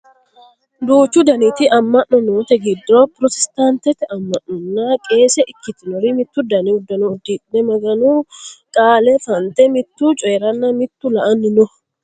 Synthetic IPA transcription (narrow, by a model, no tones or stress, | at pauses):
d̪uːt͡ʃːʊd̪ɐnɪt̪ɪɐmːɐʔːɔnoːt̪ɛɡɪd̪ɾoːpɾɔt̪ɛ̥st̪aːnt̪ɛt̪ɛɐmːɐʔːɔnːaːkʼe̞ːsɛʔɪkːɪt̪ɪnɔɾimɪt̪ːʊd̪ɐnɪʊd̪ɐnuːd̪ːitnɛmɐɡɐnuːkʼaːlɛfɐnt̪ɛmɪt̪ːuːt͡ʃʼɔjɛɾɐnːamɪt̪ːulɐʔɐnːɪnʊ